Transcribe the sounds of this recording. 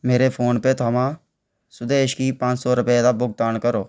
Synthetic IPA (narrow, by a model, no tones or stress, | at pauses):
meːɾeːpʰoːnpeːt̪ʰaːmãː | sʊd̪eːʃkiːpãːt͡ʃsɔːɾʊpeːd̪aːbʊɡ̚t̪aːnkəɾoː